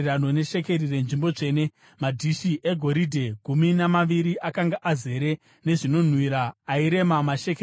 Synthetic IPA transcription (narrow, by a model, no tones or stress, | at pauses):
rano̞ne̞ʃe̞ke̞rire̞nʐimbo̞t͡ʂe̞ːne̞ | madʱiʃiʔe̞ɡʱo̞ɾidʱe̞ɡʱuminamaʋiɾiʔakaŋɡaʔaze̞ɾe̞ | ne̞ʐino̞n̤wiɾaːiɾe̞mamaʃeke